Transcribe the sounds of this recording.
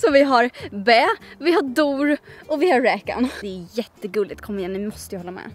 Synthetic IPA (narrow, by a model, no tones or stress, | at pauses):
sɔmvɪɦaɾbɛːvɪɦaɖuːɾɔvɪhaːɛːka̰nd̪ɛæjɛt̪ːəɡɵld̪ɪɡ̚t̪̚kʰɔmːɪjɛnnɪmɔst̪əjahɔlːamɛ̰ː